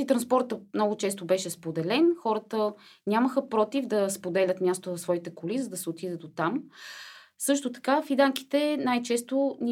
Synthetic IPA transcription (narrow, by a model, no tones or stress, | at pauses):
it̪ɾɐnspɔɾt̪əmnɔɡʊt͡ʃɛs̬t̪obɛʃɛspod̪ɛlɛnxɔɾət̪ənʲaməxəpɾɔt̪ivd̪ɐspod̪ɛlʲət̪mʲjast̪ovɐsvɔit̪ɛkolizɐd̪ɐsɛot̪id̪ət̪ot̪am | sɤʃt̪ot̪ɐ̥kafid̪aŋki̥t̪ɛnajt͡ʃɛst̪onʲi